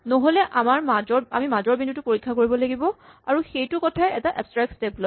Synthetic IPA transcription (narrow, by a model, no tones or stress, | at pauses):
noɦolɛʔamaɹmad͡ʒɔɹa̰mimazɔɹbindutʊpoɹikʰːakoɹibɔlaɡibɔa̰ɹuxejtʊkɔtʰaɛɛtaʔɛpstɹak̚tsteplɔ